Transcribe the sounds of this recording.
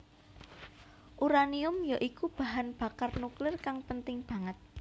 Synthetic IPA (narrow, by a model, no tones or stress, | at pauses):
ʔuɾaniʊmjaʔikub̥a̤ɦanb̥a̤karnuklɪrkaŋpənt̪ɪŋb̥a̤ŋət̪̚